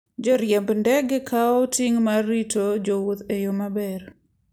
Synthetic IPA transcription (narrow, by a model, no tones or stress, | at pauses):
d͡ʒɔɾjɛmbndɛɡɛkʰaɔtiŋmarːitod͡ʒowot̪ejomabɛr